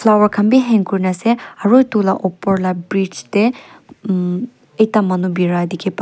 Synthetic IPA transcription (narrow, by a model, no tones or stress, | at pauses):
fʰlawɔɹkʰanbiɦɛŋkuɹinasɛaɹojtulaʔɔpɔɹlabɹit͡ʃte | ejtamanubiɹajd̪ikʰip